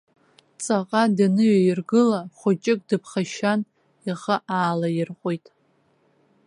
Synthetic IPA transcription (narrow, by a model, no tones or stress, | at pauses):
t͡sʼaqʼadanɨɥajɪrɡɨlaχʷʊt͡ʃʼɪkʼdɨpʰχaʃan | iʁəʔaːlajɪrqʷʼojtʼ